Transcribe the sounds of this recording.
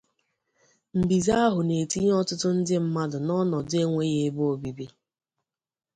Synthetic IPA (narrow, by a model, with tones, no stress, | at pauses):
m̩˨bi˨za˦a˦ɦʊ˨ne˨ti˦ɲ˦ɔ˦tʊ˦tʊ˦n̩˦dɪ˦m̩˦ma˦dʊ˨nɔ˦nɔ˨de˦ŋʷe˦ɣe˦bo˦o˨bi˨bi˦